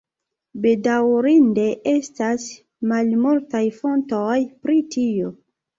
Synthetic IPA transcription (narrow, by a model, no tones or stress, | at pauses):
be̞dawɾinde̞ʔe̞stas | malmultajfo̞ntojpɾitio̞